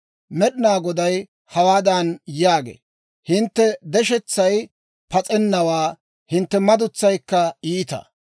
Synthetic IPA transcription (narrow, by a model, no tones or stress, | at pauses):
mɛɗɪnaːɡɔd̪ɐj | hɐwaːd̪ɐnjaːɡḛː | hɪnt̪ːɛd̪ɛʃɛt͡sːɐj | pɐt͡sʼɛnːɐwaː | hɪnt̪ːɛmɐd̪ʊt͡sːɐjkːɐiːt̪ɐ̰